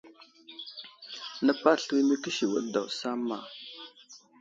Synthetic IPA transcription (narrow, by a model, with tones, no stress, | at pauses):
nə˦pa˦ɬwi˦mə˦kə˦ʃi˨wə̰˨ɗda˨wsa˦mːa̰˨